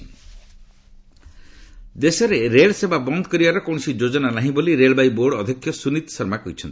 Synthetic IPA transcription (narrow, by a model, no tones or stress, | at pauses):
d̪esɔɾeɾeɭsebʱabɔnd̪ʱɔ̥kɔɾibaɾɔkɔw̃sid͡ʒod͡ʒɔnanaɦĩboliɾeɭɔbajboɾɖːd̪ʱjɔkʰːjɔsunit̪sɔɾmakɔɦit͡ʃʰɔnt̪i̥